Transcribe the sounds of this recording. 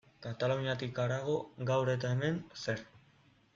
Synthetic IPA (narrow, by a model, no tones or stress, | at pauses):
kat̪aluɲiat̪ikaɾaɣ̞o̞ɡawɾe̞t̪aeme̞nse̞ɾ